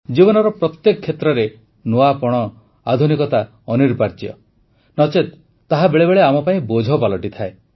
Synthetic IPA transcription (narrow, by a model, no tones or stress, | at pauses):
d͡ʒibɔnɔɾɔpɾɔt̪jekɔkʰːjet̪ɾɔɾe | noapɔɽ̃ɔ | ad̪ʱunikɔt̪a | ɔniɾbʱaɾd͡ʒjɔ̰ | nɔt͡ʃet̪ː | aɦabeɭebeɭeamɔpaĩbod͡ʒʱɔpalɔʈit̪ʰae